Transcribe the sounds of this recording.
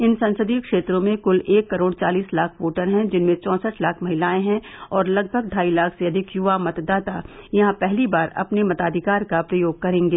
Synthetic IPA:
ɪnsɐ̃nsəd̪ikʃeːt̪ɾõmẽkʊleːkːɐɾoːɽt͡ʃaːliːslaːkʰʋoːʈəɾɦɛ̃d͡ʒɪnmẽt͡ʃɔ̃ːsəʈʰlaːkʰmɐɦɪlaːẽɦɛ̃ɔːɾlɐɡ̚bʱəɡɖʱaːilaːkʰseɐd̪ʱɪkjʊʋamɐt̪d̪aːt̪ajɐɦãpɛɦlibaːɾɐ̰pnemɐt̪aːd̪ʱɪkaːɾkapɾɐjoːɡ̚kɐɾẽːŋɡeː

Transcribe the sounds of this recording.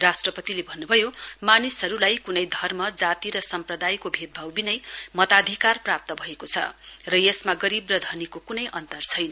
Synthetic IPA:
rasʈrʌpʌt̪ilebʱʌnːubʱʌjomanisɦʌɾulajkunʌjd̪ʱʌrmʌd͡zat̪iɾʌsʌmprʌd̪ajkobʱed̪̚bʱʌwbinʌjmʌt̪ad̪ʱikarprap̚t̪ʌbʱʌekot͡sʰʌ̰rʌjesmaɡʌɾibrʌd̪ʱʌnikokunʌjʔʌnt̪ʌrt͡sʰʌjnʌ

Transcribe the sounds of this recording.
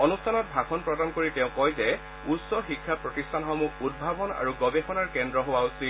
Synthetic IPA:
ɔnustʰanɔt̚bʱaxɔnpɹɔdankoɹitɛʊ̃kɔjzɛ | utsɔxikʰːapɹɔtistʰanxɔmuud̚bʱabɔna̰ɹuɡɔbexɔnaɹkɛndɹɔɦowausit

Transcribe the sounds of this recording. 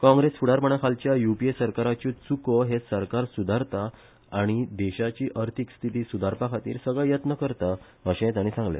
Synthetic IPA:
kɔ̃ŋɡɾesfuɽaɾpəɳakʰalt͡ɕjajupiesəɾkaɾat͡ɕut͡sukoɦesəɾkaɾsud̪ʱaɾt̪a | aɽ̃id̪ɛɕat͡ɕiːʔəɾt̪ʰikst̪ʰit̪iːsud̪ʱaɾpakʰat̪ḭːɾsəɡɭɛjət̪nəkəɾt̪a | əɕẽt̪aɽ̃isãŋɡlḛ

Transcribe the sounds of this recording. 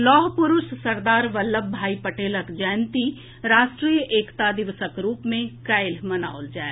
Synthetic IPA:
lɔːɦpʊɾʊʃsɐɾd̪aːɾʋəlːəbʱaːipəʈeːləkd͡ʒəjnt̪i | ɾaːʃʈɾiːjəʔeːkt̪ad̪ɪʋsəkɾuːpmẽkaɪlmɐna̰ːold͡ʒaːe

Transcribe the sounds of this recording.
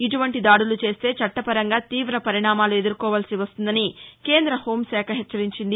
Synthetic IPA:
iʈuʋɐɳʈid̪aːɽulut͡ʃe̞ːst̪e̞ːt͡ʃɐʈːɐpɐɾɐŋɡaːt̪iːʋɾɐpɐɾiɳaːmaːlue̞d̪uɾkɔːʋaːlsiʋɐst̪und̪ɐnike̞ːnd̪ɾɐho̞ːmsɛːkʰɐɦɛt͡ʃːɐɾiɲt͡ʃind̪i

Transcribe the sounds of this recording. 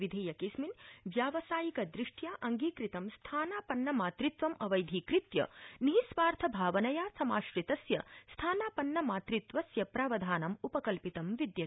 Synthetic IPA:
ʋid̪ʱeːjɐkisminʋjaːʋɐsaːjikɐd̪ɾiʂʈjaːʔɐŋɡiːkɾit̪ɐmst̪ʰaːnaːpɐnːɐmaːt̪ɾit̪ʋɐmɐʋɐjd̪ʱikɾit̪jɐ̰niɦisʋaːɾt̪ʰɐbʱaːʋɐnɐjaːsɐmaːʃɾit̪ɐsjɐst̪ʰaːnaːpɐnːɐmaːt̪ɾit̪ʋɐsjɐpɾaːʋɐd̪ʱaːnɐmupɐkɐlpit̪ɐmʋid̪jɐ

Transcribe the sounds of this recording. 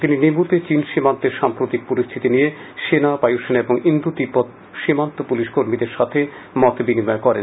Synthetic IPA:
t̪ininibut̪et͡ɕinʃimant̪eɾʃampɾot̪ik̚poɾist̪ʰit̪inijeʃenapajuʃenaeboŋind̪ud̪ipːot̪ | ʃimant̪opuliʃkoɾmid̪eɾʃat̪ʰe | mɔt̪binimɔekɔɾḛn

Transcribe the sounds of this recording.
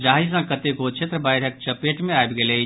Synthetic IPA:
d͡ʒaɦisãkət̪ekot͡ʃʰet̪ɾəbajɾək̚t͡ʃəpeʈmẽajbɡele

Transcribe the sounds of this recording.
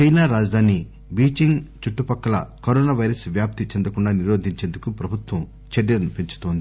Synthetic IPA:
t͡ʃɐjnaːɾaːd͡ʒɐd̪ʱaːni | biːt͡ʃiŋɡt͡ʃuʈːupɐkːɐlɐ̰kɐɾɔːnaːʋɐjɾɐsʋjaːp̚t̪it͡ʃɛnd̪ɐkuɳɖaːniɾoːd̪ʱiɲt͡ʃe̞ːnd̪ukupɾɐbʱut̪ʋɐm | t͡ʃeɽjɐnpiɲt͡ʃu̥t̪oːnd̪i

